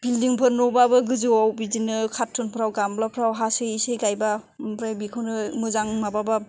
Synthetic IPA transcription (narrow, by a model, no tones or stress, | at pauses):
b̥ildiŋpʰɯɾnɔbabɯɡɯzɯwawbizinɯkʰatʰːɯnpʰɾawɡamblapʰɾawɦasɯisejɡajbapɾajbikʰɯwnɯmɯzaŋmababa